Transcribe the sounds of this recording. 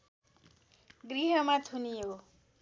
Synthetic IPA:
ɡɾiɦʌmat̪ʰunijeo

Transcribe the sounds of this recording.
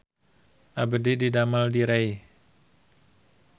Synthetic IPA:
ʔabədididamaldiɾaj

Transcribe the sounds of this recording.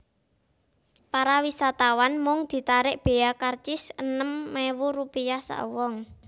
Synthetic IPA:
paɾawisat̪awanmʊŋd̪̥i̤t̪aɾɪʔb̥e̤akart͡ʃɪsənəmːewuɾupijahsa̰ʔwɔŋ

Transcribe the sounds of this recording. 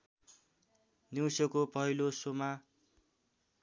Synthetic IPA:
niwsʌkopʌɦilosoma

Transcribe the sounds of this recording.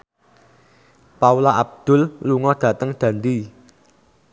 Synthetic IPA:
paulaʔab̚d̪̥ʊ̤lluŋɔd̪̥a̤t̪əŋd̪̥a̤nd̪i

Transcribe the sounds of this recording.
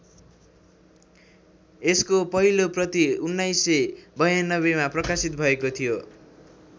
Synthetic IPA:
eskopʌɦiloprʌt̪iunːajsːebʌjanʌβemaprʌkasit̪̚bʱʌekot̪ʰijo

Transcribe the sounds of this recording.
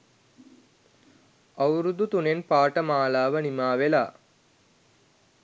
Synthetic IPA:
awɾud̪ut̪unenpaːʈəmaːlaːʋənimaːʋela̰ː

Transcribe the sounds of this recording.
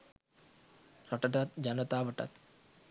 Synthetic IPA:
rɔʈəʈat̪d͡ʒanət̪aːʋəʈa̰t̪

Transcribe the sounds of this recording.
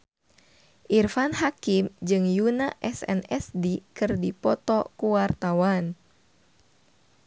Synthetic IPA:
ʔirfanhakimd͡ʒɨŋjunaʔɛsɛ̰nɛsdikɨrdipɔt̪ɔkuwart̪awan

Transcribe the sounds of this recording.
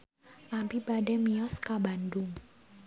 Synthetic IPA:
ʔapibadɛmiɔskabandʊŋ

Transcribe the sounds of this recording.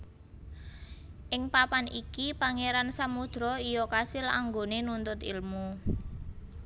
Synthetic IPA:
ʔɪŋpapanikipaŋeɾansamud̪̥ɾɔijɔkasɪla̰ŋɡonenunt̪ʊt̪ḭlmu

